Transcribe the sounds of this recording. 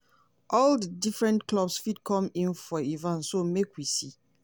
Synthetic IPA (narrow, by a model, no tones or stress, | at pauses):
ʔɔldədifɹɛ̃ntklɔbsfidkʰɔ̃mĩnfɔivãnsomekwisi